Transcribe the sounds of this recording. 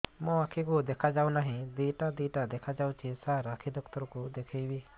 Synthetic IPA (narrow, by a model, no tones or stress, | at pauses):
mɔ̃akʰikud̪ekʰad͡ʒaũnaɦĩd̪ijʈad̪iʈad̪ɛkʰad͡ʒawt͡ʃʰisaɾakʰid̪ɔkt̪ɔɾkud̪ekʰəjbi